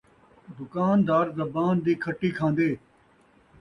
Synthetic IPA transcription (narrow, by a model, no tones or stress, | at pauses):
d̪ʊkaːnd̪aːɾzɐbaːnd̪iːkʰəʈːiːkʰãːnd̪eː